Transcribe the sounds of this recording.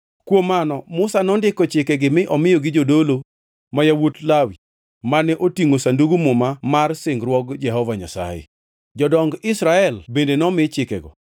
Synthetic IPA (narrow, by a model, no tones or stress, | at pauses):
kwomːanɔmʊsanɔndɪkɔt͡ʃɪkɛɡɪmɪʔɔmɪjoɡɪd͡ʒodolo | majawotlawi | manɛʔotiŋosanduɡumʊmamarsɪŋɡɾwɔɡd͡ʒɛɦɔvaɲa̰sa̰jḛ | d͡ʒɔdɔŋɡɪsɾaɛlbendenɔmɪt͡ʃɪkɛ̰ɡɔ̰